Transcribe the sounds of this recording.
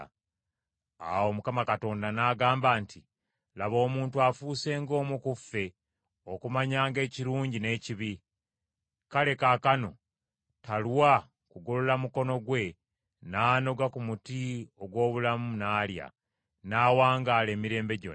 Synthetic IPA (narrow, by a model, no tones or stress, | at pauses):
a̰wo̞mukamakato̞ːndanaːɡaːmbaːnti | laβo̞ːmuːntuafuːse̞ːŋɡo̞ːmukufːe̞ | o̞kumaɲaːŋɡe̞ːciɾuːɲɟine̞ːciβi | kale̞kakano̞̰ | talwa | kuɡololamuko̞no̞ɡwe̞ | naːno̞ɡakumutio̞ɡwo̞ːβulamunaːlja̰ | naːwaːŋɡaːle̞ːmiɾe̞ːmbe̞ɟo